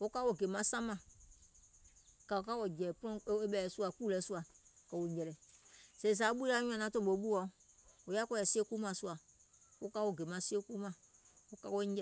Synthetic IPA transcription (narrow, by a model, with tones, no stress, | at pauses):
wo˦ka˦wo˦˨ɡe˨mã˨˦sã˦mã˨ | ka˨o˨ka˦wɔ˨d͡ʒɛ˨pɔ̃˦e˦ɓɛ˨ɛ˨˦su˦a˨ku˦lɛ˨˦su˦a˨kɛ˨wo˨ɲ˦d͡ʒɛ˨ɾɛ˨se˨s̬a˨˦ɓu˦i˦la˦ɲ̃˦ã˨nã˨˦to˦bo˨˦ɓu˦ɔ˨˦o˨ja˦kɔ˦ɛ˨si˦e˦ku˦mã˨su˦a˨ | wo˦ka˦wo˨ɡe˨mã˨˦se˦ku˦mã˨ | o˦ka˦wo˦ɛ˨